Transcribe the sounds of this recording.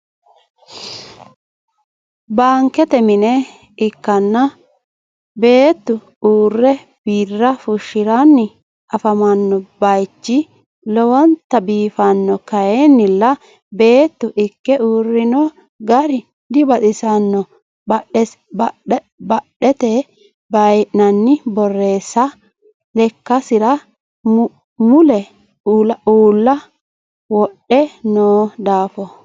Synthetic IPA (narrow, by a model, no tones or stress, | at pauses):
baːŋkɛt̪ɛmɪnɛ | ɪkːɐnːɐ | be̞ːt̪ːʊ | uːrːɛ | b̥iːrːɐfʊʃːɪɾanːɪ | ɐfɐmɐnːɔbɐjt͡ʃːɪ | lɔwɔnt̪ɐbiːfɐnːɔkɐjeːnːɪlːɐ | be̞ːt̪ːʊʔɪkːɛuːrːɪnɔ | ɡɐɾɪ | d̪ɪbɐt̪ɪsɐnːɔ | bɐɛ | bɐ | bɐɗːɛt̪ɛ | bɐjnɐnːɪbɔrːe̞ːsɐ | lɛkːɐsɪɾɐ | mʊlɛː | lɐuːlːɐ | wɔɗːɛnoːd̪aːfɔ